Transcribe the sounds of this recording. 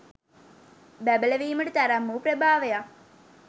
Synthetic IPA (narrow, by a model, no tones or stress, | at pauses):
bæbələʋiːməʈət̪æɾæmːupɾəbʱaːʋeja